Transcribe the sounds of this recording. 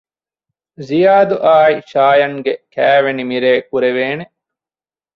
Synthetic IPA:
zijaːd̪uʔaːiʃaːjɐŋɡekæːʋenimiɾeːkuɾeʋeːne

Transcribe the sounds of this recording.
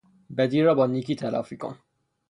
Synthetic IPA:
bæd̪iːɾɒːbɒːniːkit̪ʰælɒ̰ːfiko̰n

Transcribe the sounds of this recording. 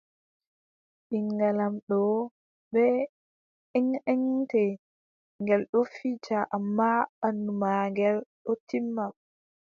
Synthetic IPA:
ɗiŋɡalamɗɔ | ɓɛ | ɛŋɛŋtɛ | ŋɡɛlɗɔfit͡ʃaʔamːaɓandumaŋɡɛlɗɔtimːam

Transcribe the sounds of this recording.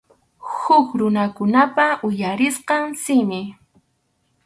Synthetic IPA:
hʊkɾʊnakʊnapaʔʊjaɾɪsqɑŋsɪmɪ

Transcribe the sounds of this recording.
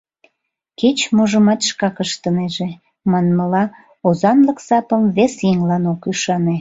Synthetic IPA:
ket͡ɕmoʒəmɑt̪ʃkɑkəʃt̪əneʒe | mɑnməlɑ | ozɑnləksɑpəmβesjiŋlɑnokyʃɑne

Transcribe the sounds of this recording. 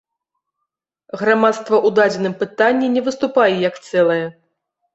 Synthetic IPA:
ɣɾamat̪st̪vɐʔud̪ad͡zʲɛnɨmpɨt̪anʲːinʲɛvɨst̪upajɛjɐkt̪sɛlˠɐjɛ

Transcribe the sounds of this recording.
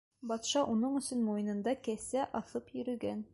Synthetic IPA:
bɑt̪ʃɑʔunɤɴɵ̆sɵnmujɤ̆nɤ̆nd̪ɑkæsæʔɑθɤpjɵ̆ɾɵ̆ɡæn

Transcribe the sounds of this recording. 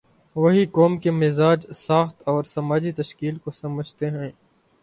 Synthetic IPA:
ʋɐɦikɔːmkemɪzaːd͡ʒsaːxt̪ɔːɾsɐmaːd͡ʒit̪ɐʃkiːlkosɐməd͡ʒʱt̪eɦɛ̃ː

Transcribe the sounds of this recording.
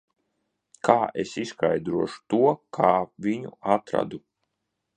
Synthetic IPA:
kʰaːʔesiskajd̪ɾuɔʃu̥t̪uɔkʰaːvʲiɲṵat̪ɾa̰d̪u

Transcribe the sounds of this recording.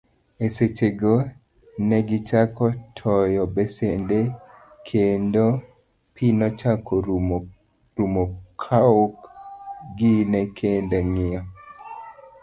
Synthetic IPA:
eset͡ʃeɡo | nɛɡit͡ʃakɔtʰɔjɔbɛsende | kʰendo | pʰinɔt͡ʃakʰɔ | ɾumokʰaok | ɡinɛkʰendaŋɪɔ

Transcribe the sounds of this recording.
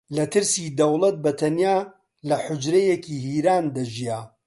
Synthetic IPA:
lɐt̪ɨɾsid̪ɐwlˠɐt̪̚bɐt̪ʰɐnjaː | lɐħʊd͡ʒɾɐjekiːhiːɾaːnd̪ɐʒijaː

